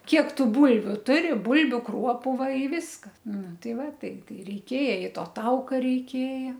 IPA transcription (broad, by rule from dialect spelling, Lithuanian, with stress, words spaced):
ˈkʲiɛk ˈtuː ˈbuːlʲʋʲʊ ˈtʊrʲɪ ˈbuːlʲbʲʊ ˈkruɔpʊ ˈʋɐ ɪ ʋʲɪskɐs ˈnʊ ˈtɐɪ ˈʋɐ ˈtɐɪ ˈtɐɪ rʲɛɪˈkʲeːjɛ ɪ ˈtoː ˈtɐʊkɐ rʲɛɪˈkʲeːjɛ